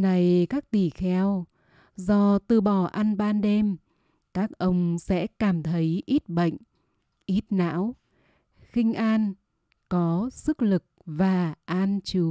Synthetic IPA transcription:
na˨˩jkaː˦˥k̚t̪i˧˩xɛ˧w | zɔ˧t̪ɨ˧˩ɓɔ˧˩ʔa˧nɓaː˧nɗe˧m | kaː˦˥k̚ʔə˧wŋ͡msɛ̰˧˥kaː˧˩mt̪ʰə˨˦jʔi˦˥t̚ɓə̰˧˨jŋ̟ | ʔi˦˥t̚na̰ː˧˥w | xï˧ŋ̟ʔaː˧n | kɔ˨˦sɨ˦˥k̚lɨ˨˩k̚vaː˨˩ʔaː˧nt͡ɕɨ˨˦

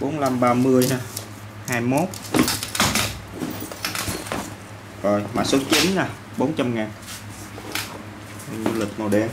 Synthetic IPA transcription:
ɓo˨˦nla˧mɓaː˧mɨ˧əjha˧˩ | haː˧jmo˦˥t̚ | zɔ˨˩jma̰ː˧˨so˨˦t͡ɕi˨˦nːa˨˧˩ | ɓo˨˦nt͡ɕa˧mŋaː˨˩n | o˨˩ɲu˧lï˨˩k̚mo˨˩ɗɛ˧˩

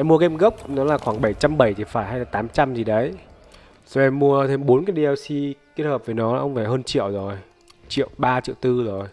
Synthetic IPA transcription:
ʔɛ˧mːu˧əkʔɛ˧mɣə˦˥p̚nɔ˨˦laː˨˩xwaː˧˩ŋɓə˧˩jt͡ɕa˧mɓə˧˩jt̪ʰi˨˩faː˧˩jɦa˧jlaː˨˩t̪aː˨˦mt͡ɕa˧mzi˨˩ɗə˨˦j | zɔ˧˩ʔɛ˧mːu˧ət̪ʰe˧mɓo˨˦nkaː˨˦jɗi˧ʔɛ˧wsi˧ki˦˥t̚həː˨˩p̚və˨˦jnɔ˨˦laː˨˩ʔə˧wŋ͡mvaː˧˩ɦəː˧nt͡ɕḭ˧˨əwzo˨˩j | t͡ɕḭ˧˨ə˨wɓaː˧t͡ɕḭ˧˨wt̪ɨ˧zo˨˩j

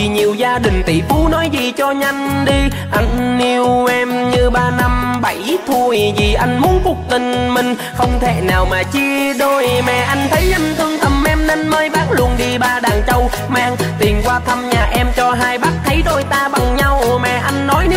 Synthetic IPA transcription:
i˨˩ɲi˨˩əwzaː˧ɗï˨˩ŋ̟t̪ḭ˧˩fu˨˦nɔ˨˦jzi˨˩t͡ɕɔ˧ɲa˧jŋɗi˧ | ʔa˧jŋ̟ːi˧wʔɛ˧mɲɨ˧ɓaː˧na˧mɓa˧˩jt̪ʰu˧jzi˨˩ʔa˧jŋ̟mu˨˦ənkʊ˨˦˥k͡p̚t̪ï˧˨˩ŋ̟mï˨˩ŋ̟ | xə˧wŋ͡mt̪ʰe˧˩naː˨˩wmaː˨˩t͡ɕi˧ɗo˧jmɛ̰˨˩ʔa˧jŋ̟t̪ʰə˨˦jʔa˧ŋt̪ʰɨ˧əŋt̪ʰə˨˩mʔɛ˧mne˧nməː˧jɓaː˦˥t̚lu˨˩ənɗi˧ɓaː˧ɗaː˨˩ŋt͡ɕə˧w | maː˧ŋt̪i˨˩nkwaː˧t̪ʰa˧mɲaː˨˩ʔɛ˧mt͡ɕɔ˧ɦaː˧jɓa˦˥t̚t̪ʰə˨˦jzo˧˩jt̪aː˧ɓa˨˩ŋɲa˧wmɛ̰˨˩ʔa˧jŋ̟nɔ˨˦j

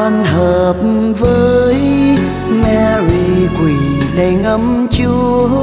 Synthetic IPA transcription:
a˧nɦəː˨˩p̚vəː˨˦j | mɛ˧ɾi˧kwi˨˩ɗa˨˩jŋ̟ʔə˧˦mt͡ɕɨ˧

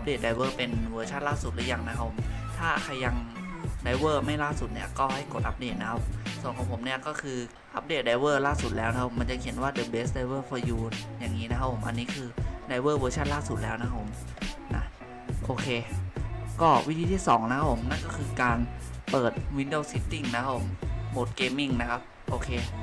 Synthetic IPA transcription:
ʔa˦˥p̚deː˨˩t̪̚da˧jwɤː˥˩pe˧nwɤː˧t͡ɕʰa˥˩nlaː˥˩su˨˩t̪̚laː˦˥jaː˨˩ŋna˦kʰa˥pʰːo˩˦mt̪ʰaː˥˩kʰa˧ja˧ŋda˧jwɤː˥˩ma˥˩jlaː˥˩su˨˩t̪̚ni˦˥˩ɐkɔː˥˩ha˥˩jko˨˩t̪̚ʔa̰˦˥p̚deː˨˩t̪̚na˦kʰa˦˥p̚soː˨˩˦ŋkʰːpʰo˩˦mni˥ɐkɔː˥˩kʰɯː˧ | ʔa̰˦˥p̚deː˨˩t̪̚da˧˩jwɤː˥˩laː˥˩su˨˩t̪̚lɛː˦˥wna˦˥a˥pʰo˨˩˦ma˧nt͡ɕa˨˩ʔkʰe˩˦nwaː˥˩dɤː˧˩beː˦˥sda˧jwɤː˥˩fɔː˧juː˧t̪̚ja˨˩ŋːiː˦˥na˧˦kʰa˥pʰːo˩˦mʔa̰˧nːiː˦˥kʰɯː˧da˧jwɤː˥˩wɤː˧t͡ɕʰa˥˩nlaː˥˩su˨˩t̪̚lɛː˦˥wna˧˥kʰa˦˥pʰo˩˦mna̰˦˥ | ʔoː˧kʰeː˧ | kɔː˥˩wi˦˥t̪ʰiː˧t̪ʰiː˥˩sɔ̰ː˩˦ŋna˦˥kʰa˦pʰo˩˦mna˥˩nkɔː˥˩kʰɯː˧kaː˧npɤː˨˩t̪̚wi˧ndo˧˩si˦˥t̪ːi˥˩ŋna˦˥kʰa˦˥pʰːo˩˦mmo˨˩t̪̚keː˧mi˥˩ŋna˦˥kʰa˦˥p̚ | ʔoː˧kʰeː˧

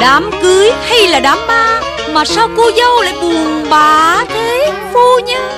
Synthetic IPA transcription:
ɗaː˨˦mkɨ˨˦əjha˧jlaː˨˩ɗaː˨˦mɓaː˧˩ | maː˨˩saː˧wko˧zə˧wla̰ː˧˨jɓu˨˩əŋɓaː˨˩t̪ʰe˨˦ | fu˧ɲa˧

